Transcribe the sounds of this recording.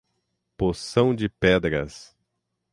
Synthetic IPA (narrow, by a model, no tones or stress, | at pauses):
posɐ̃w̃d͡ʒɪpɛd̪ɾɐ̰s